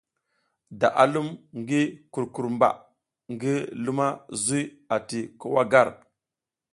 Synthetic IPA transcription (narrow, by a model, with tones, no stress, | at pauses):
da̰˨ʔa˨lu˦mŋɡi˦ku˨ɾku˨ɾmba̰˨ | ŋɡi˦lu˦ma˦zu˦j | a˨ti˨ku˦wa˦ɡa˦ɾ